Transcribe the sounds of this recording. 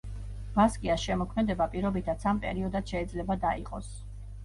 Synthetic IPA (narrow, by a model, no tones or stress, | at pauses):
b̥askʼiasʃɛmɔkʰmɛd̪ɛbapʼiɾɔbit̪ʰat̪sʰampʼɛ̰ɾiɔd̪at̪ʃɛːd̪zlɛbad̪aḭqʼɔ̰s